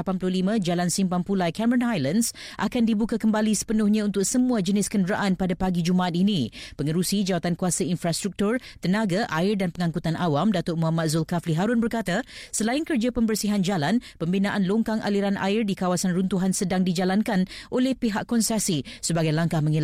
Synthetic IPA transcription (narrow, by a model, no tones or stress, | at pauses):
apanplʊhlimə̃d͡ʒalansimpampulajkɛməɾənajlans | ʔa̰kandibukakəmbalisə̥pənʊhɲãunt̪ʊk̚səmũad͡ʒənɪskəndəɾaʔanpadapaɡid͡ʒumaʔat̪̚inĩpəŋəɾusid͡ʒawat̪ankuasainfɾast̪ɾuk̚t̪ʊrt̪ənãɡaʔaɪrdanpəŋãŋkut̪anʔawamdat̪ʊmuɦamat̪̚zʊlkafliɦaɾʊnbərkat̪asəlaɪnkərd͡ʒapəmbərsiɦand͡ʒalanpəmbinãʔanloŋkaŋʔa̰liɾanʔa̰ɪrdikawasanrunt̪uɦansədaŋdid͡ʒalankanʔolɛhpiɦaʔkɔnsasisəbaɡajlaŋkahməŋil